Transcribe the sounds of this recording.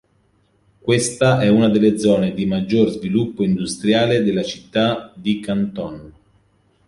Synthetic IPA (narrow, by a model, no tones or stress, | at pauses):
kwest̪aʔɛunad̪elːed̪zɔːned̪imad͡ʒːorzvilupːoind̪ust̪ɾjaːled̪elːat͡ʃi̥t̪ːad̪ikant̪ɔn